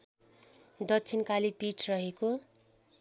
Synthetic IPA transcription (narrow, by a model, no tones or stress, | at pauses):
d̪ʌtːt͡sʰinkalipiʈʰrʌɦeko